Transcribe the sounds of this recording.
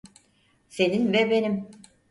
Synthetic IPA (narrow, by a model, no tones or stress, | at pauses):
se̞ninvɛbe̞nim